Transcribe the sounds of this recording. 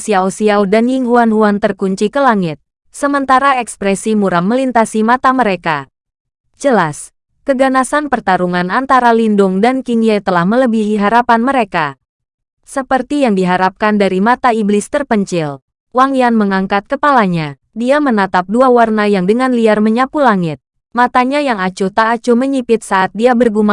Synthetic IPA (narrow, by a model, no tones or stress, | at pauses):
siaosiawdanjiŋɦuanɦuant̪ərkuɲt͡ʃikəlaŋɪt̪̚ | səmənt̪aɾaɛkspɾɛsimuɾamːəlint̪asimat̪aməɾeka | d͡ʒəlas | kəɡanasanpərt̪aɾuŋanant̪aɾalindʊŋdankiŋjet̪əlahmələbiɦiɦaɾapanməɾeka | səpərt̪ijaŋdiɦaɾap̚kandaɾimat̪aiblɪst̪ərpəɲt͡ʃɪl | waŋjanməŋaŋkat̪̚kəpalaɲa | diamənat̪ap̚duawarnajaŋdəŋanliarməɲapulaŋɪt̪̚ | mat̪aɲajaŋat͡ʃut̪aːt͡ʃuməɲipɪt̪̚saʔːt̪̚diabərɡuma